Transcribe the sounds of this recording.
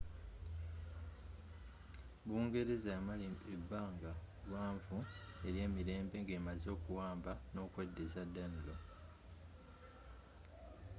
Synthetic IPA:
βuːŋɡe̞ɾe̞zaamaliebːaːŋɡalwaːɱvu | e̞ɾje̞ːmiɾe̞ːmbe̞ŋɡeːmazo̞ːkuwaːmbano̞ːkwe̞dːezadːanulo

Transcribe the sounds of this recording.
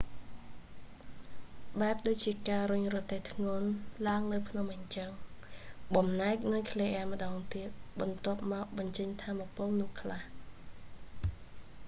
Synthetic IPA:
ɓaɛp̚ɗoːc̚t͡ɕiəkaːɾʊɲrɔt̪eːht̪ʰŋoənlaəŋnɨwpʰnomʔəɲt͡ɕəŋ | ɓɑmnaɛk̚nɨjkʰleːʔɛəmə̆ɗɑːŋt̪iət̪̚ɓɑnt̪ŏəp̚mɑk̚ɓɑɲt͡ɕəɲt̪ʰaːmapoːlnʊ̆əhkʰlah

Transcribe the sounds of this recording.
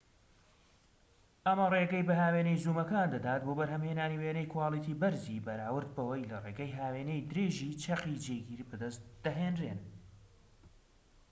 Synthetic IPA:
ʔɐmɐreɡɛjbɐɦaːweːnejzuːmɐkand̪ɐd̪aːt̪̚boːbɐɾɦɐmheːnaːniweːnɛjkʊwaːlˠit̪ʰiːbɐɾzibɐɾaːwɨɾd̪̚bɐwɐjlɐreːɡɐjɦaːweːnejd̪ɨɾeːʒiːt͡ʃʰɐqid͡ʒeɡiɾbɨd̪ɐst̪̚d̪̥ɐɦeːnrḛn

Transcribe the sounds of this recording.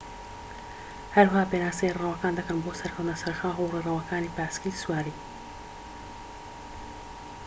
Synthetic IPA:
hɐɾwhaːpeːnaːst̪eirawɐkaːnd̪ɐkɐnboːsɐɾkʰɐwt̪nɐsɐɾxaːxurirɐwɐkaːniːpaːskiswaːɾiː

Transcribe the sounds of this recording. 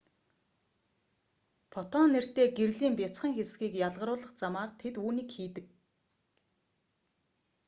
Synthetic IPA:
pʰɔt̪ɔnːer̥t̪eːɡerɮiːmpet͡sχə̆ŋxesɡiːkjaɮʁə̆ɾʊːɮə̆χt͡samaːrt̪ʰet̪uːniːkxiːt̪ɘ̆k̚

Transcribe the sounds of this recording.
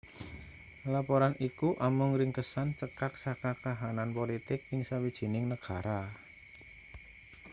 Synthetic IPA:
lapɔɾanʔikuʔamʊŋɾɪŋkəsant͡ʃəkaksakakaɦananpɔlit̪ɪk̚ɪŋsawid̥ʒ̥i̤nɪŋnəɡ̥a̤ɾa

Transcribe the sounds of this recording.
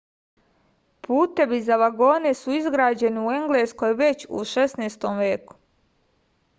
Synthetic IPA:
pʰuːt̪e̞ʋizaʋaɡo̞ːne̞suizɡɾaːd͡ʑe̞niue̞ŋɡle̞sko̞jʋe̞t͡ɕṵʃe̞sneːst̪o̞mʋje̞ːku̥

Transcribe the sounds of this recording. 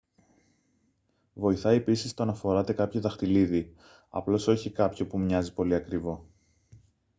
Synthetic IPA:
vo̞iθɐiepisist̪o̞ɐnɐfo̞ɾɐt̪e̞kɐpçoðɐxt̪iliði | ɐ̰plo̞so̞çikɐpço̞pumɲɐzipo̞liɐkɾivo̞

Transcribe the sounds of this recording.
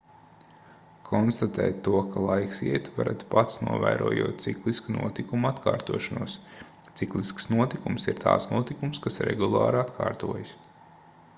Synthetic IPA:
kʰɔnst̪at̪ɛ̰ːt̪ːuɔkʰalˠajksiɛt̪vaɾa̰t̪pat̪snuɔvæ̰ːɾuɔjuɔːt̪̚t̪siklˠiskunṵɔt̪ikumuat̪kʰaːɾt̪uɔʃanuɔs | t̪siklˠisksnuɔt̪ikumsiɾt̪ʰa̰ːt̪snuɔt̪ikumskasɾɛ̰ɡulˠɑ̰ːɾat̪kʰa̰ːɾt̪uɔjs

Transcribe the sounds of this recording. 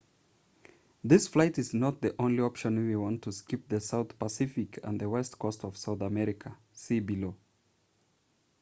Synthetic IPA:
ðɪsflaɪtɨznət̪̚ðiʔõʊ̃nliɑpʃɨ̃nwiwɑ̃ntʰɨskɪp̚ðɨsaʊθpəsɪfɨkʰə̰̃nðɨwɛstkʰɔstʌv̥saʊθəmɛɹɪkʰə | sibɨloʊ

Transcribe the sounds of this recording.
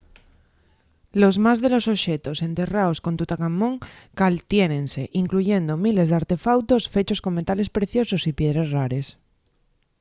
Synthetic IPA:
lo̞zmazðe̞lo̞so̞ʃe̞t̪o̞se̞nt̪e̞raosko̞nt̪ut̪akamːõŋkalt̪jenẽ̞nse̞ʔiŋkluʝe̞nd̪omile̞zðaɾt̪e̞fawt̪o̞sfe̞t͡ʃo̞sko̞ŋme̞t̪ale̞spɾe̞θjo̞so̞sipje̞ð̞ɾezraɾe̞s

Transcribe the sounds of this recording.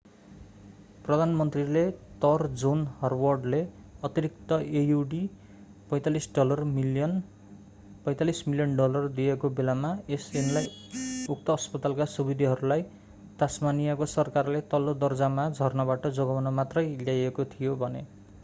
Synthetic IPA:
prʌd̪ʱanmʌnt̪rilet̪ʌrd͡zonhʌrwʌrɖle | ʌt̪iɾik̚t̪ʌejuɖi | pʌjt̪alisɖʌlʌrmʌn | pʌj̃t̪alismiljʌnɖʌlʌrd̪ijekobelamaesenlajuk̚t̪ʌːspʌt̪alkasubid̪ʱiɦʌɾulaj | t̪asmanijakosʌrkarlet̪ʌlːod̪ʌrd͡zamad͡zʱʌrnʌβaʈʌd͡zoɡʌwʌnʌmat̪rʌjljajekot̪ʰijobʱʌne

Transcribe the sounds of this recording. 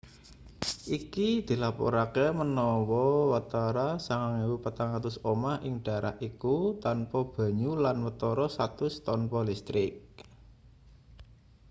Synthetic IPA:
ʔikid̪̥i̤lapɔ̰ɾakemənɔwɔwat̪aɾasaŋaŋiwupət̪aŋat̪ʊsomahʔɪŋɖ̥ä̤ɾʔa̰hʔikut̪anpɔb̥ä̤ɲulanwət̪ɔɾɔsat̪ʊst̪ɔnpɔlist̪ɾɪk̚

